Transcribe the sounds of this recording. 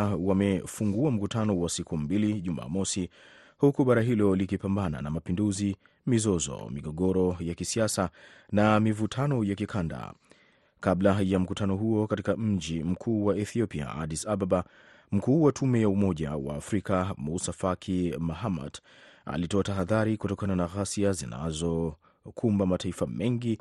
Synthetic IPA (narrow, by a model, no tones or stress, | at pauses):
wamɛfuŋɡuam̩kutʰanɔwasikʰumbiliʄuma̰ːmɔsi | hukuɓaɾaɦilɔlikipambana̰namapinduzi | mizɔzɔ̰miɡɔɡɔɾɔjakisiasa | namivutʰanɔjakikʰanda̰ | kablajam̩kutʰanɔɦuɔkatikam̩d͡ʒim̩kʰuːwaɛθiɔpia̰ʔa̰disababa | m̩kuːwatʰumɛjaumɔʄa̰wa̰ːfɾikamusafakʰimaɦama̰d | a̰litɔataɦaðaɾikutɔkananaɣasiazina̰zɔ | kʰumbamataifamɛŋɡi